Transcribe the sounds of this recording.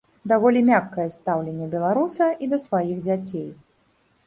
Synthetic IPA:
d̪avɔlʲimʲakːɐjɛst̪awlʲenʲːɛbʲɛlˠaɾusɐʔid̪ɐsvajiɣd͡zʲat͡sʲej

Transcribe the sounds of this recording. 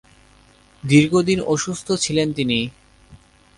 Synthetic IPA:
d̪iɾɡod̪inoʃust̪ʰot͡ɕʰilent̪ini

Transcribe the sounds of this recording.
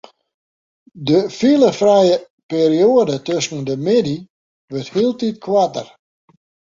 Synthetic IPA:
dəfiləfrɛjə | peɾioədətøsn̩dəmɪdi | ʋørthiəlˠtit̚kʰwatə̰r

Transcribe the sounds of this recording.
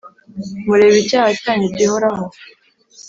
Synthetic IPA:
βuɾe̞ːβicaːhacaːɲebɟihoɾaɦo

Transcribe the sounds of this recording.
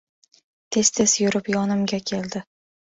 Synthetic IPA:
t̪ʰe̞st̪ʰesjʊɾɪpjɒnɪmɡʲakʲʰeld̪ɪ

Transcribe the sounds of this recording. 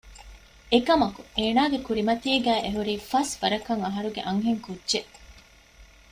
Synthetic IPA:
ekɐmɐkueːnaːɡekuɾimɐt̪ieɡæːʔeɦuɾiːfɐsʋɐɾɐkɐŋɐɦɐɾuɡḛʔɐŋɦeŋkudːʒeʔ

